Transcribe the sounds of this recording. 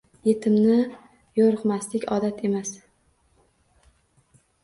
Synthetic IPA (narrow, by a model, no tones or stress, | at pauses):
je̞t̪ʰɪmnɪ | joɾɨqmaslɪkʲɒd̪at̪ʰe̞mas